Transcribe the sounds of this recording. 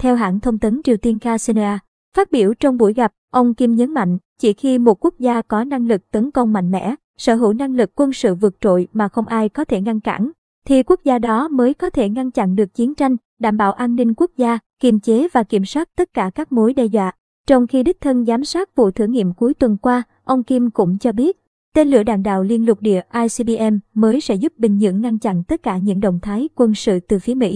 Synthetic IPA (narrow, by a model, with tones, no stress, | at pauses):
t̪ʰɛ˧wɦa̰ː˧˩nt̪ʰə˧wŋ͡mt̪ə˨˦nt͡ɕi˨˩əwt̪i˧ənkaː˧si˧n˧aː˧ | faː˦˥t̚ɓi˧˩əwt͡ɕɔ˧wŋ͡mɓṵ˧˩jɣa˨˩p̚ʔə˧wŋ͡mki˧mɲə˨˦nma̰˧˨jŋ̟t͡ɕi˧˩xi˧mo˨˩t̚ku˦˥k̚zaː˧kɔ˨˦na˧ŋlɨ˨˩k̚t̪ə˨˦nkə˧wŋ͡mma̰˧˨jŋ̟mɛ̰˧˥ | səː˧˩ɦɨ̰˧˩˨wna˧ŋlɨ˨˩kːwə˧nsɨ̰˧˨vɨ˨˩ək̚t͡ɕo̰˧˨jmaː˨˩xə˧wŋ͡mʔaː˧jkɔ˨˦t̪ʰe˧˩ŋa˧nka̰˧˩˥n | t̪ʰi˨˩ku˦˥ək̚zaː˧ɗɔ˨˦məː˨˦jkɔ˨˦t̪ʰe˧˩ŋa˧nt͡ɕa̰˧˨nɗɨ˨˩ək̚t͡ɕi˨˦ənt͡ɕa˧jŋ̟ | ɗaː˧˩mɓa̰ː˧˩˨wʔaː˧nːï˧ŋku˦˥ək̚zaː˧ki˧˩mt͡ɕe˨˦vaː˨˩ki˧˩əmswaː˦˥t̚t̪ə˦˥t̚kaː˧˩kaː˦˥k̚mo˨˦jɗɛ˧zwa̰ː˧˨ | t͡ɕɔ˧wŋ͡mxi˧ɗi˦˥k̟̚t̪ʰə˧nzaː˨˦msaː˦˥t̚vṵ˧˨t̪ʰɨ˧˩əŋːḭ˧˨əmku˨˦jt̪wə˨˩nkwaː˧ | ʔə˧wŋ͡mki˧mkʊ̰˧˥ŋ͡mt͡ɕɔ˧ɓi˦˥ət̚ | t̪e˧nlɨ̰˧˩əɗa̰ː˧˨ŋɗa̰ː˧˨wli˧ənlʊ˨˩k͡p̚ɗḭ˧˨əʔaː˧jsi˧ɓi˧ʔɛ˧mːəː˨˦jsɛ̰˧˥zʊ˦˥p̚ɓï˨˩ŋ̟ɲɨ̰˧˥əŋːa˧nt͡ɕa̰˧˨nt̪ə˦˥t̚kaː˧˩ɲɨ̰˧˥ŋɗə̰˧˨wŋ͡mt̪ʰaː˨˦jkwə˧nsɨ̰˧˨t̪ɨ˨˩fi˨˦əmḭ˧˥